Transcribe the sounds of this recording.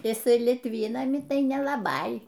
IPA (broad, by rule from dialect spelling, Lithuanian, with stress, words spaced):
jɪˈsɐɪ lʲɪtʲˈʋʲiːnɐmʲɪ ˈtɐɪ nʲɛlˠɐˈbɐɪ